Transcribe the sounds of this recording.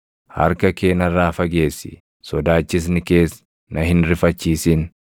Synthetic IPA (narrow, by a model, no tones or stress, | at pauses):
hɐ̰ɾkɐke̞ːnɐrːaːfɐɡe̞ːsːɪ̰ | sɔd̪aːt͡ʃːɪs̬nɪke̞ːs | nʔɐhɪnɾɪfɐt͡ʃːiːsɪn